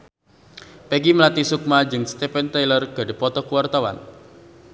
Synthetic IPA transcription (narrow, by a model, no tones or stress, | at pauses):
pɛɡiməlat̪isuk̚mad͡ʒɨŋst̪ɛfɛnt̪ajlərɡ̥a̤ɖepɔt̪ɔkuwart̪awa̰n